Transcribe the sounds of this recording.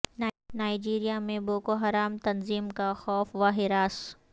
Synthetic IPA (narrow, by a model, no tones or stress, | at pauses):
nnaːid͡ʒiːɾijamẽboːkoɦɐɾaːmt̪ɐnziːmkaxɔːfʋaːɦɪɾaːs